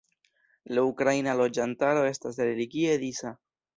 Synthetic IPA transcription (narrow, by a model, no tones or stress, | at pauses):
laukɾajnalo̞d͡ʒantaɾo̞e̞stasɾe̞liɡie̞d̪isa